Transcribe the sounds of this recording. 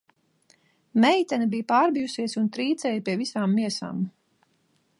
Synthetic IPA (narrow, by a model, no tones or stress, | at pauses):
mɛjt̪ɛnibijpaːɾbijusiɛsunt̪ɾiːt̪sɛjpiɛvisaːmːiɛsa̰ːm